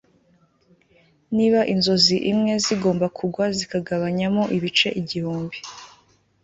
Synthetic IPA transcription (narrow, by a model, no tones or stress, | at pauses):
niβaʔinzo̞ziʔimŋe̞ziɡo̞ːmbakʰuɡwazikaɡaβaɲamoʔiβit͡ʃe̞ʔiɟihuːmbi